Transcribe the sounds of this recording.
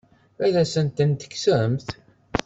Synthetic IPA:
æðæsənt̪ənt̪ə̥kːsəɾəmθ

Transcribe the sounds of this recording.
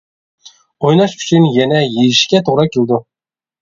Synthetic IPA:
ojnɑʃyt͡ʃʰynjɛnɛjejɪʃkʲɛt̪ʰoʁɾɑkʲʰelʲd̪ʊ

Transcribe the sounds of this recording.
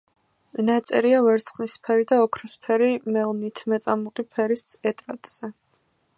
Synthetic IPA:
nat̪sʼɛ̰ɾiavɛɾt̪sʰχnispʰɛɾid̪aɔkʰɾɔspʰɛɾimɛlˠnit̪ʰmɛt̪sʼamuqʼipʰɛɾisɛt̪ʼɾa̰t̪ʼz̥ɛ

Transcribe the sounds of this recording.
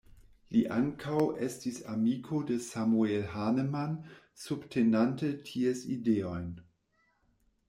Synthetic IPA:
liʔaŋkʰawʔestisamikʰodesamuelɦaneman | subtʰenantətʰiesideojn

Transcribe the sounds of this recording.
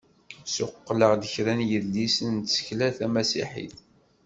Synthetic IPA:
sʊqːləʁd̪əçɾænjəðlːisənt̪sə̥çlæθæmæsḭħḭθ

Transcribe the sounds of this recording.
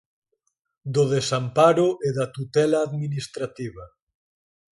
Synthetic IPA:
d̪oðesampaɾʊʔeðat̪ut̪ɛlaːðminist̪ɾat̪iβa

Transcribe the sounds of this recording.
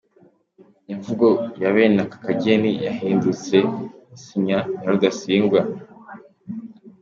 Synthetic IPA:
iɱvuɡo̞jaβe̞ːnakḁkaɟe̞nijahiːndut͡se̞siɲanaɾudasiːŋɡwa

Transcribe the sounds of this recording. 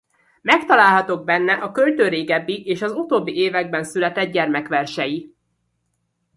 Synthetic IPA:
mɛkt̪ɒlaːlɦɒt̪o̞ɡ̚bɛnːɛʔɒkølt̪øːɾeːɡɛbːiʔeːʃɒzut̪oːbːieːvɛɡ̚bɛnsylɛt̪ɛd̪̚ɟɛrmɛkʋɛrʃɛji

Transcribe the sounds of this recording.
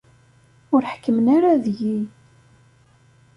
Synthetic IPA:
ʊɾħkːəmənaɾaðʝi

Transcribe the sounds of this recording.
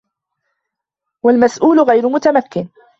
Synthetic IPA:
walmasʔuːlʊɣajɾmʊt̪amakːɪn

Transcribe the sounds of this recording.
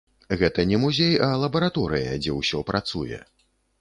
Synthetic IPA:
ɣɛt̪ɐnʲɛmuzʲejalˠɐbɐɾat̪ɔɾɨjɐ̰d͡zʲɛwsʲɔpɾat̪sujɛ̰

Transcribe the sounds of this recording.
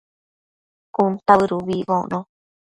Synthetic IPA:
kunt̪aβɨɾuβiβõʔnõ

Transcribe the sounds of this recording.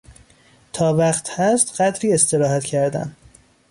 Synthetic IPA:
t̪ʰɒːvæqt̪hæst̪ɢæt̪ɾiːe̞st̪e̞ɾɒːhæt̪cʰæɾd̪æ̰n

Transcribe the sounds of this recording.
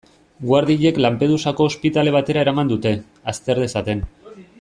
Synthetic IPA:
ɡwaɾðiʎe̞klampe̞ð̞usako̞ːspit̪ale̞β̞at̪e̞ɾaeɾamand̪ut̪e̞ | ast̪e̞ɾð̞esat̪e̞n

